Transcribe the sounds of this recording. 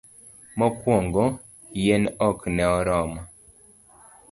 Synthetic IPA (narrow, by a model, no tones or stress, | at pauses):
mɔkwoŋɡɔ | jenɔknɛɔɾɔma